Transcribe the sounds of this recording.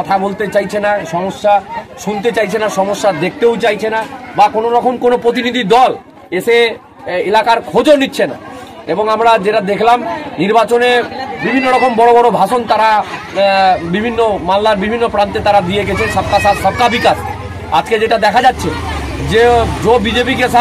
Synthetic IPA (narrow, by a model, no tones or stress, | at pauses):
ɔt̪ʰabolt̪et͡ɕajt͡ɕʰenaʃɔmoʃːaʃunt̪et͡ɕajt͡ɕʰenaʃɔmoʃːad̪ek̚ʰt̪ewt͡ɕajt͡ɕʰenabakonoɾɔkʰonkonopɾot̪̬inid̪ʱid̪ɔl | eʃe | elakaɾkʰod͡ʑonitːɕʰena̰eboŋamɾad͡ʑeʈad̪ekʰlamniɾbat͡ɕonebibʱinːoɾɔkombɔɾobɔɾobʱaʃont̪aɾa | bibʱinːomamlaɾbibʱinːopɾant̪et̪aɾad̪ieɡɛt͡ɕʰenʃab̚kasaʃab̚kabikas | a̰d͡ʑked͡ʑeʈad̪ɛkʰad͡ʑatːɕʰe | d͡ʑed͡ʑobid͡ʑepiɡesa